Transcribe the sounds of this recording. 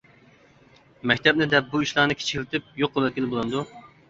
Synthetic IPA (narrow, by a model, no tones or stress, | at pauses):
mɛkʲt̪ʰɛb̚nɪd̪ɛp̚buiʃlˠɑːnɨkʰʲi̥t͡ʃʰɪ̥kʲlɪt̪ʰɪp̚joqːʊvɛkʲilbolˠɨnd̪u